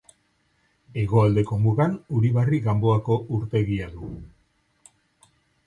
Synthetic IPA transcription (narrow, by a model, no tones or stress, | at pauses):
e̞ɣ̞o̞ald̪e̞ko̞muɣanuɾiβariɣambo̞ako̞ʔuɾt̪e̞ɣiaðu